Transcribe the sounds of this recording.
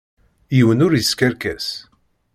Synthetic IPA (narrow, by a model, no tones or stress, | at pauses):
jiwənʊɾjəskæɾkæs